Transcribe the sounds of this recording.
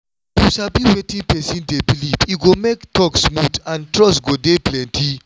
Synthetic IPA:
juʃalbiwetĩŋpɛsĩndebilivjuɡomektʰɔksmudãntʰɹɔsɡodeplɛ̃ntʰi

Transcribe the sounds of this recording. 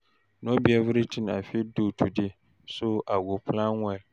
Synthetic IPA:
nobiɛvʊɾitʰina̰fidotʰudɪ | soʔaɡʊpʰlãŋŋɛl

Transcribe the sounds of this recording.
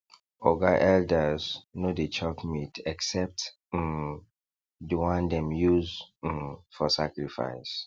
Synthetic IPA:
ɔɡaʔɛldəznodet͡ʃʰɔpmitʰɛksɛp̚t̩ | dəwãndɛ̃mjuz̩ | fɔsakɹifa̰ɪs

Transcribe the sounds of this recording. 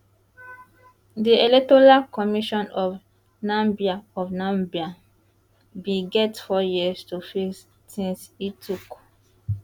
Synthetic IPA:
dielɛk̚tɔɹakɔmiʃɔ̃nɔv | nãmbiaɔfnãmbia | biɡɛtfɔjiəstufis | sĩnsitʰuk

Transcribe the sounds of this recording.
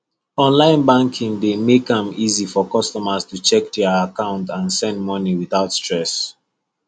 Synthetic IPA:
ɔ̃nlãɪ̃nbãŋkʰĩŋdemekãmizifɔkʌstɔməstut͡ʃɛk̚dɛəakãʊ̃ntãnsɛ̃ndmɔniwiθaʊtstɹ̥ɛs

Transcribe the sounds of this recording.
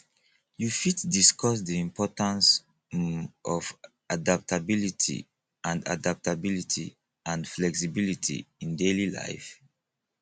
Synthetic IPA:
jufitdiskɔs̬diĩmpʰɔtãns | ʔɔv | adap̚tabilitʰḭ | ʔãnda̰dap̚tabilitʰḭ | ʔãndflɛksibilitʰḭĩndelila̰ɪf

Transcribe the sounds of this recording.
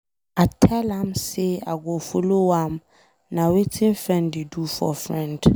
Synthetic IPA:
atʰɛlãmsea̰ɡofolowãm | nãwetʰɪ̃nfɾɛ̃ndidufɔ̰fɾɛ̃nd̥

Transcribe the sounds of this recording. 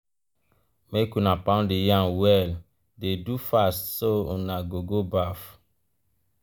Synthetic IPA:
mekunapãndejãwɛl | dedufastsoṵnaɡoɡobaf

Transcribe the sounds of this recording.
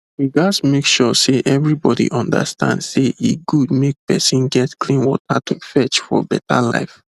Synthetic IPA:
wiɡasmekʃɔseʔɛvɹibɔdḭʔɔ̃nda̰stã̰ndseʔeɡud̚mek̚pɛsĩnɡɛtklĩnwɔtʰatʰufɛt͡ʃfɔ̰bɛta̰la̰ɪf

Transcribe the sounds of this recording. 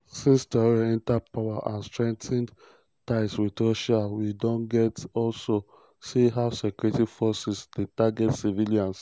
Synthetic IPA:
sĩnsdaɹaɛ̃ntapaʊaʔã̰nstɹɛ̃ŋk̚tɛ̃n | taɪswitoʃawidɔ̃nɡɛtɔlso | siɦaʊsɛkuɹitifɔsisdetaɡɛtsiviliãns

